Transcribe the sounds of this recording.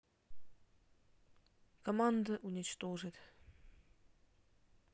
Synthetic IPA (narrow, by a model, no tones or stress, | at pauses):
kɐmand̪əʔʊnʲɪt͡ɕt̪oʐɨt̪